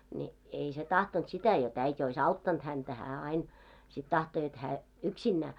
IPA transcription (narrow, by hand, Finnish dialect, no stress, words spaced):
ni ei se tɑhtont sitæ jot æitʲ ois ɑutːɑnt hæntæ hæː ɑin sit tɑhto jot hæː yksinːæː